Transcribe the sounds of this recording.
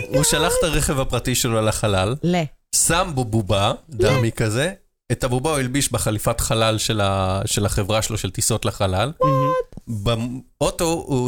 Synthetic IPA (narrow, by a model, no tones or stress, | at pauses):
uʃalaχtaʁeχe̞vhapʁatiʃeloalaχalall | sambobubadamikaze | etabubauilbiʃbeχalifatχalalʃelaʃelaχevʁaʃeloʃeltiso̞tlaχalal | baoto̞u